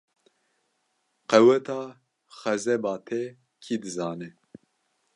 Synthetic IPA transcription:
qɛwɛt̪ʰɑː | xɛzɛbɑːt̪ʰɛ | kʰiːd̪ɨzɑːnɛ

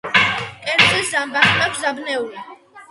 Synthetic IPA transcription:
kʼɛɾt͡sʰʼiszambaχakʰzabnɛuli

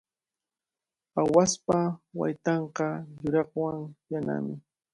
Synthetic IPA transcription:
awaspawa̰jt̪ɑɴqɑjʊɾɑχwaŋjana̰mɪ

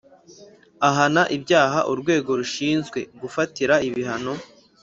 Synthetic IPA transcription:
aɦanaʔibjaːɦaʔuɾɡwe̞ːɡo̞ɾuʃiːnzɡwe̞ɡufatiɾaiβiɦano̞

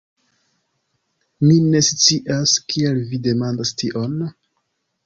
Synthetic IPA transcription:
mine̞st͡siʔaskielvide̞mandastʰiʔo̞n

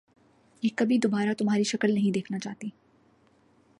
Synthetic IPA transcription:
jeːkɐbʱid̪oːbaːɾat̪ʊmɦaːɾiʃɐkəlnɐɦĩd̪eːkʰnat͡ʃaːt̪iː

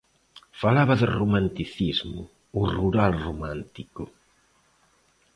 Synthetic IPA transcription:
falaβɐðɪromãnt̪iθizmʊ̰ | ʊruɾalromãnt̪ikʊ

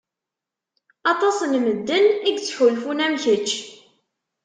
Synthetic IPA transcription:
ɑt̪ˤɑsənməd̪ːəniɡt͡sːħulfunæmçət͡ʃː

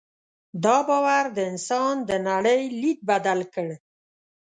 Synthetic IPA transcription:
d̪ɑbɑwaɾd̪əɪnsɑnd̪ənaɽəjlid̪̚bad̪alkəɽ

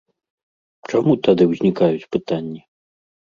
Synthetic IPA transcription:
t͡ʂamut̪ad̪ɨwzʲnʲikajut͡sʲpɨt̪anʲːi

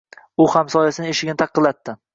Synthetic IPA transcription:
ʊhamsɒjasɪnɪeʃɪɡʲɪnɪt̪ʰɑqʰːɨlːat̪ːɪ

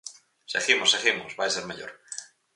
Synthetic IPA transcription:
seɣimoseɣimozbajseɾmaʎo̰ɾ

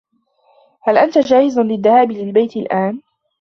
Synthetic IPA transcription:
halʔant̪ad͡ʒaːhɪznlɪðːahaːbɪlɪlbajt̪ɪlʔaːn

